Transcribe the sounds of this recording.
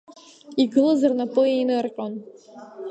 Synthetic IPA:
iɡɨlɨzarnapʼɨejnɨrqʲʼon

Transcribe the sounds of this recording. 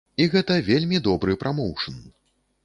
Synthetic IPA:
iɣɛt̪ɐvʲelʲmʲid̪ɔbɾɨpɾʔamɔwʂɨn

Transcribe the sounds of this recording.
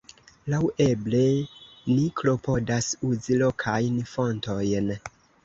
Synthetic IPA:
lawʔeble̞niklo̞pʰo̞dasuzilo̞kʰajnfo̞nto̞jn

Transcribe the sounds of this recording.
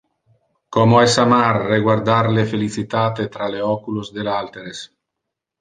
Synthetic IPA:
kɔmoɛsamarːeɡward̪aɾlefelit͡sit̪aːt̪et̪ɾaleɔkulozd̪elalt̪eɾes

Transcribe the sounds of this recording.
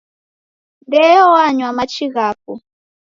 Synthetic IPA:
ndɛjɔwaɲwamat͡ʃiɣaːpu

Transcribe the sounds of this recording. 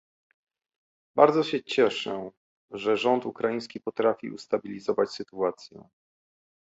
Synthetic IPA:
baɾd̪zɔɕɛt͡ɕɛʂɛ̰ | ʐɛʐɔnt̪ukɾajĩj̃s̬kʲipɔt̪ɾafʲḭṵst̪abʲilʲizɔvat͡ɕsɘt̪uat̪sʲjɛ̰

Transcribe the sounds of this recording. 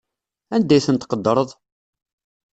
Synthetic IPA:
ænd̪æjθənt̪qəd̪ːɾˤəðˤ

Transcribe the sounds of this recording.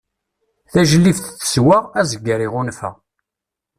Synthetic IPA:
θæʒəlːifθθə̥swaʁæzəɡːəɾiʁunfə̰ʁ

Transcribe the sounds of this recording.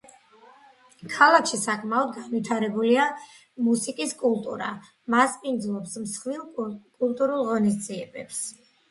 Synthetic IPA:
kʰalˠakʰʃisakʼmaɔd̪ɡanvit̪ʰaɾɛbulia | musikʼiskʼulˠt̪ʼṵɾa | maspʼind̪zlˠɔpsmsχvilˠkʼulˠt̪ʼuɾulˠʁɔnis̬d̪ziɛbɛps

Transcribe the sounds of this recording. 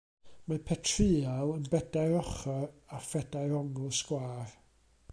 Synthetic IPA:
mapʰɛtʰrɨːalˠənbɛdajɾɔχɔafɛd̥ajɾɔŋʊskwaːr

